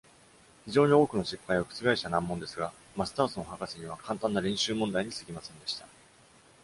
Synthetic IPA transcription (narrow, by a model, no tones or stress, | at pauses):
çiʑo̞ːɲ̟io̞ːkɯ̟no̞ɕipːajokɯ̥t͡sɨɡaiɕt̪anãmːõ̞nd̪e̞sɨɡa | masɨ̥t̪aːsonohakasiɲ̟iβ̞akʰãnt̪ãnːaɾʲẽ̞ɰ̃ɕɨːmond̪aiɲ̟isɨ̥ɡʲimasẽ̞nd̪e̞ɕi̥t̪a